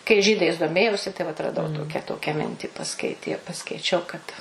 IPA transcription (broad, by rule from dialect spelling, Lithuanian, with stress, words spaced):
kɐɪ ˈʒʲiːdɐɪs doːˈmʲeːjɛʊsʲɪ tɐɪ ʋɐt rɐˈdɐʊ ˈtoːkʲɛ ˈtoːkʲɛ ˈmʲɪnʲtʲiː pɐˈskɐɪtʲiɛ pɐskɐɪˈt͡ʃʲɛʊ kɐt